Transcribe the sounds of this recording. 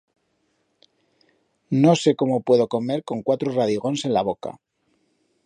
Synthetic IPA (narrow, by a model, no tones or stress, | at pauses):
no̞se̞ko̞mo̞pwe̞ðo̞ko̞me̞ɾko̞ŋkwat̪ɾoraðiɣo̞nse̞nlaβo̞ka̰